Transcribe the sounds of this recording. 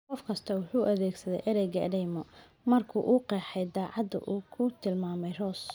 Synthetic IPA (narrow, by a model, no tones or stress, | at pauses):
qɔfkʰɐst̪ʰɐwʊħuːʔɐðɛːɡsɐðɛ̰jʔɐɾɛjɡɐ̰dɛjmɔ | mɐrkʰuːʔuːqɛːħɛjd̪ɑːʕɑd̪ɐ̰ʔuːkʰʊt̪ʰɪlmaːmɛjrɔːs